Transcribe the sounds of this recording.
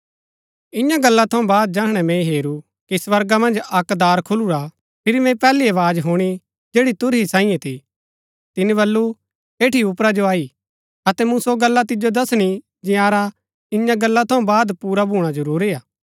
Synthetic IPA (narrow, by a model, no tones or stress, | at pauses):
ɪ̃jãɡɐlːat̪ʰɐ̃ũbaːd̪̚d͡ʒaːɦɽ̃ɛmɛ̃ɦeːɾu | kisʋɐɾɡamɐ̃nd͡ʒɐkd̪aːɾkʰʊluɾa | pʰɪɾimɛ̃pɛːliɐʋaːd͡ʒɦuːɽ̃i | d͡ʒeːɽit̪ʊɾɦisãːĩjɛ̃t̪ʰi | t̪ɪniβɐlːu | eːʈʰiʊpɾad͡ʒoaːi | ɐt̪ɛmũsoɡɐlːat̪ɪd͡ʒod̪ɐsɽ̃i | d͡ʒɪjaːɾa | ɪ̃jãɡɐlːat̪ʰɐ̃ũbaːd̪puːɾabʱuːɽ̃ad͡ʒɐɾuːɾiaː